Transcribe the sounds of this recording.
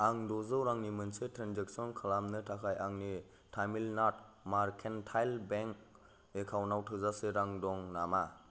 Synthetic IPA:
aŋdɔzɯwɾaŋnimɯnsetʰɾanzek̚sɔnkʰalamnɯtʰakʰajaŋni | tʰajmilnat̚ | maɾkʰentʰajlbeŋk | ekʰawnawtʰɯzaseɾaŋdɔŋnama

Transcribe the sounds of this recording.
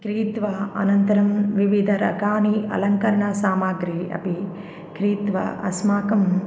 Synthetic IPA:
kɾiːt̪ʋɐʔɐ̰nɐnt̪ɐɾɐmʋiʋid̪ʱɐɾɐ̰ɡaːniɐ̰lɐŋkɐɾɐɳɐsaːmaːɡɾiːɐ̰pi | kɾiːt̪ʋɐ̰ʔɐ̰smaːkɐm

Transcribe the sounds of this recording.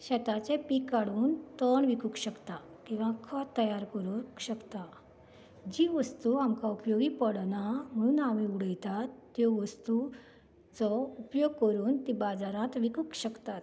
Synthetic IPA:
ɕɛt̪at͡ɕẽpikːaɽuːnt̪əɳʋikukɕəkt̪a | kĩw̃ʋãkʰɔt̪ːəjaɾkəɾukɕəkt̪a | d͡ʑiʋəst̪uamkaupjoɡiːpəɽnam̤əɽ̃uːnamiuɽəjt̪at̪ːjɔʋəst̪u | t͡sɔupjoɡ̚kəɾuːnt̪ibad͡zaɾãt̪ʋikukɕəkt̪at̪

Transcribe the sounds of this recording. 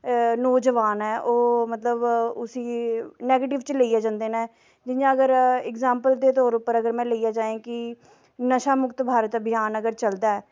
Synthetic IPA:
noːd͡ʒəʋaːnɦɛːʔoːmət̪ləbʊsiːnɛːɡeːʈɪʋt͡ʃleiːaːd͡ʒãːnd̪eːnaː | d͡ʒɪjãːəɡəɾɪkzaːmpəld̪eːt̪ɔːɾʊpːəɾəɡəɾmɛ̃ːləijaːd͡ʒaːẽːkɪ | nəʃaːmʊkt̪bʱaːɾət̪bɪjaːnəɡəɾt͡ʃəld̪aːɛː

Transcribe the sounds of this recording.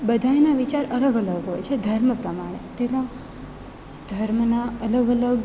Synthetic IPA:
bəd̪ʱaenaʋit͡ʃaɾələɡələɡɦojt͡ʃʰed̪ʱəɾməpɾəmaɽ̃et̪elã | d̪ʱəɾmnaələɡələɡ

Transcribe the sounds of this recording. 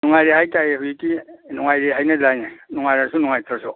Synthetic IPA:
nuŋajɾehajtajehujikinuŋajɾeɦajnalajnanuŋajɾasunuŋajtʰɾasɔ

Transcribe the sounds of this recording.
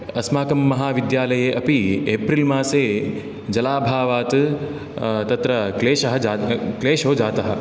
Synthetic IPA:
ɐsmaːkɐmːɐɦaːʋid̪jaːlɐjeːʔɐpieːpɾilmaːseː | d͡ʒɐlaːbʱaːʋaːt̪ | t̪ɐt̪ɾɐkleːʃɐɦɐd͡ʒːkleːʃoːd͡ʒaːt̪ɐɦɐ̰

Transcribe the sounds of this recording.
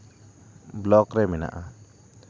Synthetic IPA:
blɔkɾɛmɛna̰ʔa

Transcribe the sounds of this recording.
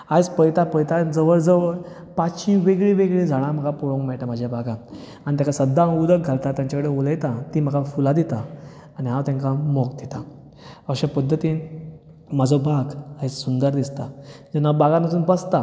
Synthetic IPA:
ad͡zpəjt̪apəjt̪ad͡zəʋəɭd͡zəʋəɭ | paɕĩʋeɡɭĩʋeɡɭĩd͡zʱaɭ̃ãm̤əɡapɔɽõŋkmɛɭʈam̤ad͡ʑʱjabaɡã | aɽ̃it̪jakasəd̪ʱːãud̪ək̚ɡʱalt̪at̪jãɲt͡ɕakəɽeoləjt̪at̪im̤əɡafulad̪it̪a | aniɦãwt̪ãŋkamɔkd̪it̪a | əɕapəd̪ʱːət̪iːn | mad͡zʱɔbaɡait͡ssund̪əɾd̪ist̪ad͡ʑanːabaɡãnat̪̬uːnbəst̪a

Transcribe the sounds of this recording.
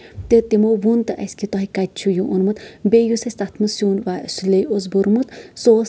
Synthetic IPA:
t̪et̪imoʋunt̪ɐʔɐskit̪ɔɦikat̪̚t͡ʃʰujuʔunmɨt̪beːjusɐsʲt̪at̪ʰmɨsuːnʋaːsuleoz̬buɾmɨt̪soːs

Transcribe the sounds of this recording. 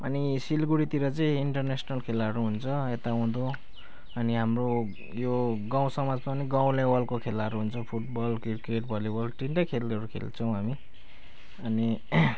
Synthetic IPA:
ʌ̰nisilɡuɽit̪iɾʌt͡sʌĩiɳʈʌrnesʌnʌlkʰelaɾuɦunt͡sʰʌet̪aɦũd̪o | ʌniɦamro | joɡãw̃sʌmad͡zpʌniɡaw̃lewʌlkokʰelaɾuɦunt͡sʰʌpʰuʈ̚bʌlkirkeʈ̚bʱʌlibʌlʈinʈakʰelʌɾukʰḛlt͡sʰʌw̃ɦami | ʌni

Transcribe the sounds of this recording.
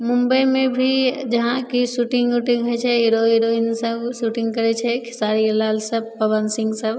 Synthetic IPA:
mũmbəjmẽbʱid͡ʒəɦãkisuʈĩŋɡuʈĩŋɡɦot͡ʃʰɛɦiɾoɦiɾoinsəbsuʈĩŋɡkəɾɛt͡ʃʰɛkʰɪ̥saɾilalsəb̚pəbənsĩŋɡsəb

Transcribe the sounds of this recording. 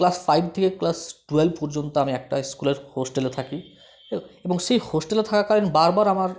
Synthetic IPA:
klasfajbt̪ʰekeklasʈuelbpɔɾd͡ʑont̪oamiɛk̚ʈaskuleɾhosʈelet̪ʰaki | eboŋʃejhosʈelet̪ʰakakaɾenbaɾbaɾamaɾ

